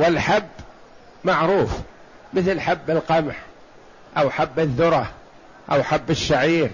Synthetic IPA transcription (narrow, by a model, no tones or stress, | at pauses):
wɪlħabː | maʕɾuːf | mɪθlħabːɪlqɑmħ | ʔawħabːɪðːʊɾˤɑ | ʔawħabːɪʃːaʕiːɾ